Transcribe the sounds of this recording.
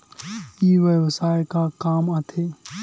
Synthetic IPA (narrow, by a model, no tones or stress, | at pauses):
iːʋjəʋsaːjkakaːmɐt̪ʰeː